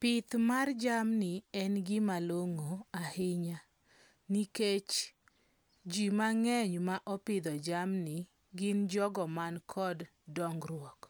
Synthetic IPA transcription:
pɪt̪mard͡ʒamnɪɛnɡɪmaloŋoahɪɲa | niket͡ʃ | d͡ʒimaŋɛɲmaʔɔpɪd̪ɔd͡ʒamnɪ | ɡɪnd͡ʒɔɡɔmankʰɔdː | ɔŋɡrwɔk

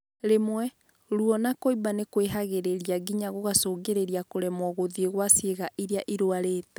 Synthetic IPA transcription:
ɾemwɛ | ɾuɔnakoibanekweɦaɣeɾeɾiaɡiɲaɣoɣasoːɡeɾeɾiakoɾɛmɔɣoðieɣwasieɣaʔiɾeaʔiɾoaɾeːtɛ

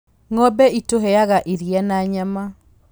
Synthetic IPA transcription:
ŋɔbɛitoɦɛaɣaʔeɾijanaɲama

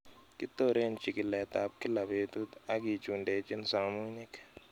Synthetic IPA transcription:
kit̪ːoɾeːnt͡ʃikilɛːt̪a̰p̚kilɐbeːt̪ud̪ɐɡit͡ʃuɳɖeːt͡ʃinsaːmuːnik

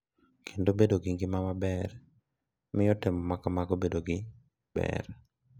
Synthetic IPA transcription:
kʰendobedoɡɪŋɡɪmamabɛr | mɪjɔtɪmɔmakamaɡobedoɡɪ | bɛ̰r

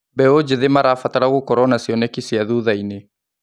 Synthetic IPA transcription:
bɛod͡ʒeðemaɾaːfataɾaɣokɔɾɔnasiɔnɛkisiaðuðaine

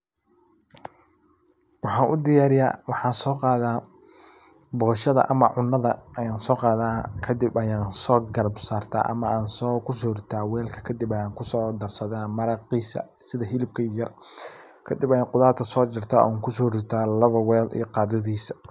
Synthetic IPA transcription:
wɑħɑːnʔʊd̪ɪjaːɾɪja̰ːwɑħɑːnsɔːqɑːðaː | bɔʃɐðɐ̰ʔɐmɐ̰ʕʊnːɐðɐɐjaːnsɔːqɑːðaːkʰɐd̪ɪbɐjaːnsɔːɡɐlbsaːrt̪ʰa̰ːʔɐ̰mɐaːnsɔːkʰʊsɔːɾ̚t̪ʰaːwɛːlkʰɐ̥kʰɐd̪ɪbɐjaːŋkʰʊsɔːd̪ɐrsɐðaːmɐɾɑqiːsɐ̰ | sɪðɐɦɪlɪb̚kʰɐijɐr | kʰɐd̪ɪbɐjqʊðaːlt̪kʰɐsɔːt͡ʃɪrt̪ʰa̰ːʔɔ̰ŋkʰʊsɔːɾɪt̪ʰaːlɐβɐwɛːlʔḭjɞqɑːd̪ɐðiːsɐ

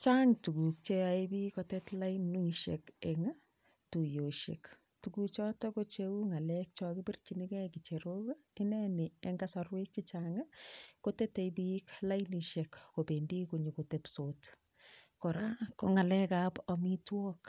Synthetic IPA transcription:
t͡ʃaŋtukuk̚t͡ʃeaebikɔtɛtlajnːuiʃḛkeŋa | tujoʃḛk | tukuk̚t͡ʃɔtɔkot͡ʃewuŋalɛk̚t͡ʃɔkɪbirt͡ʃinikɛkit͡ʃeɾoka | ɪnɛnɪeŋɡasarwek̚t͡ʃit͡ʃaŋakotɛtejbiklainiʃekkopendikuɲekotepsot | kɔɾakoŋalɛkapɔmitwɔk

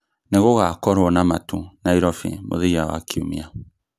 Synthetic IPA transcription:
neɣoɣakɔɾɔnamatunaiɾɔfḭmo̰ðiawa̰kʰiumia

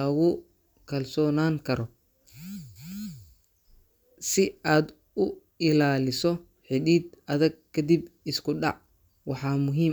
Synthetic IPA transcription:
ɐɣʊ | kʰɐlsɔːnaːŋkʰɐɾɔ | sɪaːd̪ | ʊ | ɪlaːlɪsɔ | ħɪɗiːd̪ɐðɐɡ̚kʰɐd̪ibɪskʰʊɖɑ̰ʕ | wɑħɑːmʊɦiːm

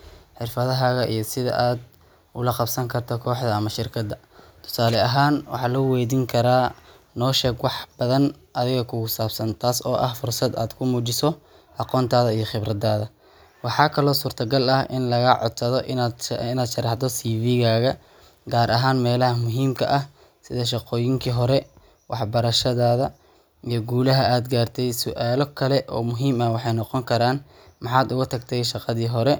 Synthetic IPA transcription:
ħɪrfɐðɐɦaːɣɐʔijɞsɪðɐ̰ʔaːd̪̚ | ʊlɐqɑbsɐŋkʰɐrt̪ʰɔkʰɔːħd̪ɐːmɐʃɪrkʰɐd̪ːɐ | t̪ʰʊ̥saːlɛɐɦaːnwɑ̰ħɑːlɐwɛːðiːŋkʰɐɾaː | nɔːʃɛːɡwɑħbɐðɐn | ʔɐðɪɣɐkʰʊkʊsaːbsɐnt̪ʰaːsɔːʔɐhfʊrsɐd̪a̰ːd̪kʰʊmuːt͡ʃɪsɔ | ʔɑqɔːnt̪ʰaːðɐijɞχɪbɾɐd̪aːðɐ | wɑħɑːkʰɐlɔːsuːrt̪ʰɐɡɐlɐhʔɪ̰nlɐɣɐʕɔ̰d̪sɐðɔʔ̪ɪnaːd̪ʃɐrɑħd̪ɔsiːviːɣaːɣɐ | ɡaːɾʔɐɦaːnmɛːlɐɦɐmʊɦiːmkʰɐʔɐh | sɪðɐʃ̬ɑqɔːjɪŋkʰiːɦɔɾɛ | wʔɑħbɐɾɐʃɐðaːðɐ | ijɔɡuːlɐɦɐʔaːd̪ɡaːrt̪ʰɛjsʊʔaːlɔkʰɐlɛʔɔːmʊɦiːmɐwɑħɑjnɔqɔŋkʰɐɾaːn | mɑħɑːd̪ʊɣʊt̪ʰɐkt̪ʰɛjʃɑqɑðiːɦɔɾɛ

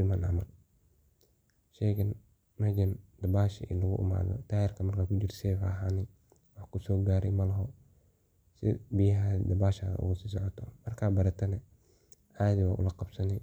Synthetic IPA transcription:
ɪmanɐ̰mɐ̰l | ʃɛkɪn | mɐd͡ʒɐnd̪ɐbaːʃɪ̰ʔɪ̰nlɐɣʊʔɪ̰ma̰ːðɔ̰t̪ʰaːjɛrkʰɐmɐrkaːkud͡ʒɪɾsɛːfaːɦanɪ | wɑħkʊsɔːɡaːɾɛmɐlɐɦɔ | sɪ̰bɪjɐɦad̪ɐbaːʃa̰ɣɐ̰ʔʊ̰ɣʊsiːs̬ɔʕɔt̪ʰɔmɐrkʰaːbɐɾɐt̪ʰɐnɐ | ʔaːd̪ɪwaːʔʊ̰lɐqɑbsɐnɛ

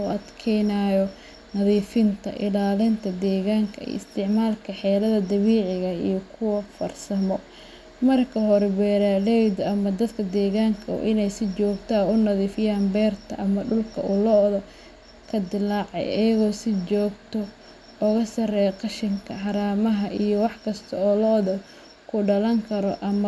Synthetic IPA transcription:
uɐd̪kʰɛjnajɔ | nɐðiːfɪnt̪ʰɐ̰ʔɪ̰laːlɪnt̪ʰɐd̪ɛːɣaːŋkʰɐɛ̰jɪ̰st̪ʰɪʕmaːlkʰɐħɛːlɐðɐd̪ɐβiːʕɪɣɐijɔkʰʊwɐfɐrsɐmɔ | mɐrkʰɐɦɔɾɛbɛːɾalɛjd̪ɐmɐd̪ɐd̪kʰɐd̪ɛːɣaːŋkʰɐɔ̰ːʔɪnɛjsɪt͡ʃɔːɡt̪ʰɐʊnɐðiːfɪjaːnbɛːrt̪ʰɐʔɐmɐɖʊlkʰɐʊlɔðɔ | kʰɐd̪ɪlaːʕɑ̰jʔɐjɐɣɔːsɪt͡ʃɔːɡt̪ʰɔ | ɔɣɐsɐrɛjqɑʃɪŋkʰɐħɑɾaːmɐɦɐʔijɔwɑħkʰɐst̪ʰɐɔːlɔːðɐ | kʰʊɖɐlɐŋkʰɐɾɔʔɐm

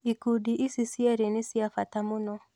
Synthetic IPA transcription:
ikudiʔisisiɛɾenesiafatamunɔ

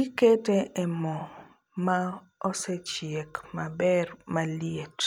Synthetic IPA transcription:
iketɛʔɛmɔ | ma | ɔsɛt͡ʃiekmabɛrmaliet

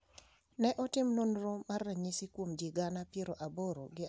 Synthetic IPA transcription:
nɛʔɔtɪmnonɾomarːɛɲɪsɪkwomd͡ʒiɡanapjeɾoʔaboɾoɡɪ

